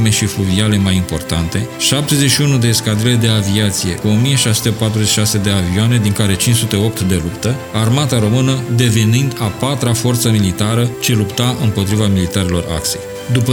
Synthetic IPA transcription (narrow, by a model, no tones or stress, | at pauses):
me̞ʃifluviale̞majimpo̞rt̪ant̪e̞ʃap̚t̪e̞zeʃiunud̪eskad̪ile̞d̪e̞aviat̪sije̞̰kuo̞mije̞ʃajsu̥t̪e̞pat̪ɾuzet͡ʃi̥ʃase̞d̪e̞avioane̞d̪iŋkaɾe̞t͡ʃint͡ʃsut̪e̞o̞pt̪d̪e̞lupt̪ə | armat̪aɾo̞mɨnəd̪e̞venind̪apat̪ɾafo̞rt̪səmilit̪aɾət͡ʃe̞lupt̪aʔɨmpo̞t̪ɾivamilit̪aɾelo̞̰ra̰kse̞j | d̪upə